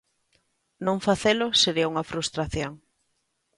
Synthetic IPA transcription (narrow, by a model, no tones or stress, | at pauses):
nõŋfaθelʊseɾiɐuŋɐfɾust̪ɾaθjoŋ